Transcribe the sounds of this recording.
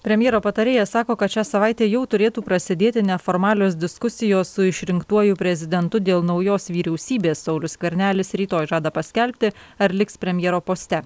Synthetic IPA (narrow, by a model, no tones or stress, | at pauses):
pʲɾʲɛmʲjeːɾoːpɐt̪ɐɾʲeːjɛsɑːkoːkɐt̪ʃʲæːsɐʋɑˑɪt̪ʲeːjɛʊt̪ʊɾʲeːt̪uːpɾɐsʲɪd̪ʲeːt̪ʲɪnʲɛfoːɾmɑːlʲoːs̬d̪ʲɪskʊsʲɪjoːsːʊɪʃʲɾʲɪŋkt̪uɔjʊpʲɾʲɛzʲɪd̪ʲɛnt̪ʊd̪ʲeːlˠnɒʊjoːsʋʲiːɾʲɛʊsʲiːbʲeːsːɐʊlʲʊskʲʋʲɛɾʲnʲæːlʲɪsɾʲiːt̪oːjʒɑːd̪ɐpɐsʲkʲɛlʲpʲt̪ʲɪɐɾlʲɪkspʲɾʲɛmʲjeːɾoːpoːsʲt̪ʲɛ